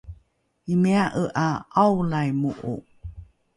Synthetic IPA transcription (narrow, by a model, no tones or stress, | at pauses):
imeaʔəʔaawlajmuʔṵ